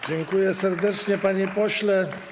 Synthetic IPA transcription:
d͡ʑɛŋkujɛsɛɾd̪ɛt͡ʂɲɛpaɲipɔɕlɛ

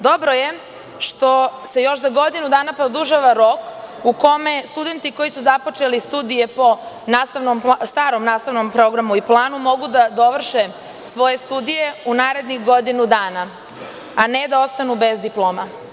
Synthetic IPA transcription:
d̪o̞bɾo̞je̞ | ʃt̪o̞se̞jo̞ʃzaɡo̞d̪inud̪aːnapɾod̪uʒaʋaɾo̞kuko̞me̞st̪ud̪e̞nt̪iko̞jisuzapot͡ʃe̞list̪ud̪ije̞po̞ | naːst̪aʋnomst̪aːɾomnaːst̪aʋno̞mpɾo̞ɡɾamuiplˠaːnumo̞ɡud̪ad̪o̞ʋr̩ʃe | sʋo̞je̞st̪ud̪ije̞unaːɾe̞d̪nixɡo̞d̪inud̪aːna | ane̞d̪ao̞st̪anube̞zd̪iplˠoːma

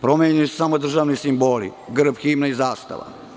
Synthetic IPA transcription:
pɾo̞meːɲujuse̥samod̪r̩ʒaːʋnisimboːlḭɡr̩bxiːmnaizaːst̪a̰ʋa̰

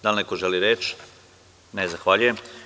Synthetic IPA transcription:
d̪alnekoʒeliɾeːt͡ʃ | nezaxʋaʎuje̞m

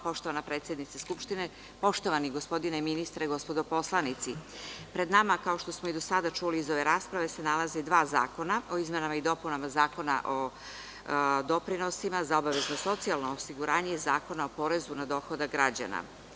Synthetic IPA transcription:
po̞ʃt̪o̞ʋanapɾet̪sje̞d̪nit̪seskupʃt̪ine | po̞ʃt̪o̞ʋaniɡo̞spo̞d̪ineminist̪ɾeɡo̞spo̞d̪o̞po̞slˠanit̪sipɾe̞d̪namakao̞ʃt̪o̞smoid̪o̞sad̪at͡ʃuliːzo̞ʋe̞ɾaːspɾaʋe̞se̞nalazed̪ʋaːza̰ːko̞nao̞izme̞namaid̪o̞punamazaːko̞na̰ʔo̞ | d̪o̞pɾino̞simazao̞baʋe̞zno̞so̞t̪sialˠnoosiɡuɾaːɲezaːko̞naopo̞ɾe̞zunad̪o̞xo̞d̪aɡɾad͡ʑa̰na̰

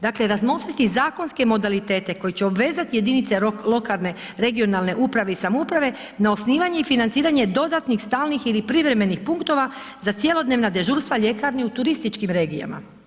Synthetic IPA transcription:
d̪akleɾazmo̞t̪ɾit̪izaːko̞nske̞mo̞d̪alit̪e̞ːt̪e̞ko̞jit͡ɕeo̞bʋe̞ːzat̪ije̞d̪init̪selo̞kalˠne̞ | ɾe̞ɡio̞nalˠne̞ʔupɾaʋe̞isamoupɾaʋe̞ | nao̞sniːʋaɲe̞ifinant̪siːɾaɲe̞d̪o̞d̪at̪nixst̪aːlˠnixilipɾiʋɾe̞me̞nixpuŋkt̪o̞ʋa | zat̪sje̞lo̞d̪ne̞ːʋnad̪e̞ʒuɾst̪ʋaʎe̞kaɾniut̪uɾist̪it͡ʃkimɾe̞ːɡija̰ma̰

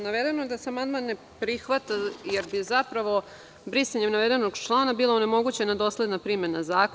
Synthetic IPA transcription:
naʋed̪enod̪aseamand̪manːe | pɾixʋat̪ajeɾbizapɾaʋo̞ | bɾisaɲemnaʋe̞d̪e̞noɡt͡ʃlˠaːnabiːlˠoune̞mo̞ɡut͡ɕenad̪o̞slˠe̞d̪napɾimenazaːk

